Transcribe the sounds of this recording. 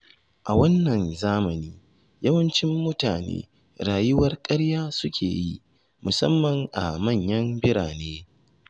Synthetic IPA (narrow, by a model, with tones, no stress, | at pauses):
ʔa˨wɐ˦nːɐ˨nzaː˦mɐ˨niː˦ | jɐ˦wɐ˦nt͡ʃɪ˦mːʊ˦taː˨nḛː˦ | ɽaː˨jʊ˦wɐ˦rkʼɐ˦ɽjaː˦sʊ˦kʲʰḛː˨ji˦ʔ | mʊ˨sɐ̰˦mːɐ˨ŋʔa̰˨mɐ˦˨ɲjɐ˦mbɪ˦ɽaː˨neː˦